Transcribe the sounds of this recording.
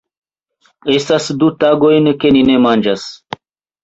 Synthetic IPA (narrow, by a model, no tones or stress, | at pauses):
e̞stasd̪ut̪aɡo̞jnke̞nine̞mand͡ʒas